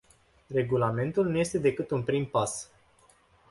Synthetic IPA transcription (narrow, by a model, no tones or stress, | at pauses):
re̞ɡulame̞nt̪ulnuje̞st̪e̞d̪e̞kɨt̪unpɾimpas